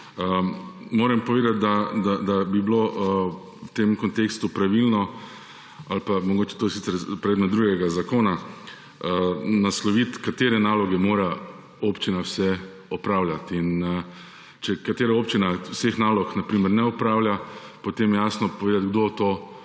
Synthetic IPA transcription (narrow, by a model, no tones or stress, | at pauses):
əmoːɾɛmpɔʋeːd̪at̪̚d̪ad̪ad̪abiblo | wt̪emkɔnt̪eːkst̪upɾaʋilnɔ | alpamɔɡoːt͡ʃɛ̥t̪osit̪sɛɾpɾɛd̪mɛd̪ɾuɡɛɡazakoːna | ənaslɔʋit̪kat̪eːɾɛnaːlɔɡɛmoːɾa | opt͡ʃinawsɛ | ɔpɾaːwljʲat̪in | t͡ʃɛkat̪eːɾaoːpt͡ʃinawsexnaːlɔknapɾiːmɛɾnɛɔpɾaːwljapot̪emjjaːsnɔpɔʋeːd̪at̪̚ɡd̪ot̪oː